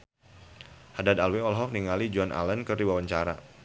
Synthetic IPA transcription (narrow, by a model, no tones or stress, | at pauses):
hadadalweɔlɦɔk̚niŋalid͡ʒɔnʔa̰lənkərdiwawaɲt͡ʃaɾa̰